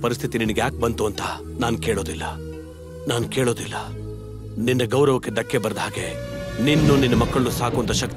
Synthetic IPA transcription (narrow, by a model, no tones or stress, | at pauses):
pɐɾist̪ʰit̪ininɐɡejaːk̚bɐnt̪uɐnt̪ɐ | naːnkeːɭoːd̪ilːɐ̰ | naːnkeːɭoːd̪ilːɐ | ninːɐɡɐwɾɐʋɐkːe̞ɖ̪ɐkːebɐɾɐd̪ɦaːɡe̞ninːuninːɐmɐkːɐɭɐusaːkuɐnt̪ɐʃɐk̚t̪